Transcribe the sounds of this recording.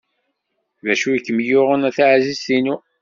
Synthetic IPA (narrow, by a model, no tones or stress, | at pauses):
væʃujəkːəmjʊʁənæθaʕzizinu